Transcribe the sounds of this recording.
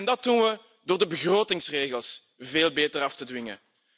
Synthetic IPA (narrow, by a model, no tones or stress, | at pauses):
ndɑt̚unʋə | doːrdəbəɣroːtɪŋsreːɣəlˠs | veːlˠbeːtərɑftədʋɪŋə̰